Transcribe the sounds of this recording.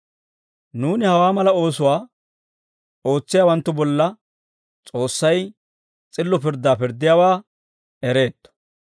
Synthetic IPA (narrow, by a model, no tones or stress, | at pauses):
nuːnɪhɐwaːmɐlɐo̞ːsʊwaː | o̞ːt͡sːɪjaːwɐnt̪ːʊbɔlːɐ | t͡sʼo̞ːsːɐj | t͡sʼɪlːɔpɪɾd̪ːaːpɪɾd̪ːɪjaːwaː | ɛɾe̞ːt̪ːɔ̥